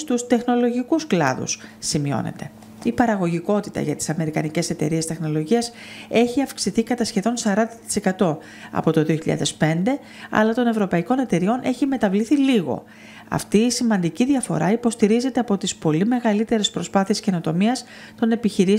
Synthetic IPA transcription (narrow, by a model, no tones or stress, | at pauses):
st̪ust̪e̞xno̞lo̞ʝikusklɐ̰ðṵssimio̞̰ne̞̰t̪e̞̰ | ipɐɾɐɣo̞ʝiko̞t̪it̪ɐ̰ʝɐt̪i̥sɐme̞ɾikɐnice̞se̞t̪e̞̰ɾiest̪e̞xno̞lo̞ʝiɐs | e̞çiɐfksiθikɐt̪ɐsçe̞ðo̞nsɐɾɐnd̪ɐt̪i̥se̞kɐt̪o̞ | ɐ̰po̞t̪o̞ðio̞çiʎɐ̰ðe̞spe̞nd̪e̞ | ɐ̰lɐt̪o̞ne̞vɾo̞pɐiko̞ne̞t̪e̞ɾio̞nʔe̞çime̞t̪ɐvliθiliɣo̞̰ | ɐ̰ft̪iːsimɐnd̪iciðiɐfo̞̰ɾɐipo̞st̪iɾize̞t̪e̞ɐpo̞t̪ispo̞lime̞ɣɐlit̪e̞ɾe̞spɾo̞spɐθie̞sce̞no̞t̪o̞miɐs | t̪o̞ne̞piçiɾi